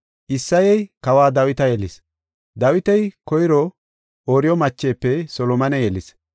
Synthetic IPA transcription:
ʔɪsːɐjɛjkɐwaːd̪ɐwɪt̪ɐjɛlɪs | d̪ɐwɪt̪ɛjkɔjɪɾɔ | oːɾɪjɔmɐt͡ʃːeːpːɛsɔlɔmɐnɛjɛlɪs

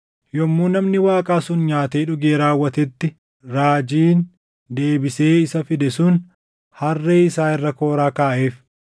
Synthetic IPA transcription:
jɔmːuːnɐmnɪwaːkʼaːsʊnɲaːt̪eːᶑʊɡeːɾaːwːɐt̪ɛt̪ːɪ | ɾaːd͡ʒiːn | d̪e̞ːbɪse̞ːɪsɐfɪd̪ɛsʊn | hɐrːeːɪsaːɪrːɐko̞ːɾaːkaːʔe̞ːf

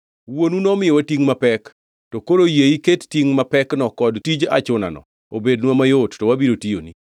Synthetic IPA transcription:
wonunɔmɪjɔwatiŋmapɛk | tɔkoɾojeikettiŋmapɛknɔkɔdtid͡ʒa̰t͡ʃʊna̰nɔ̰ | obednwamajottɔwabiɾotijo̰ni

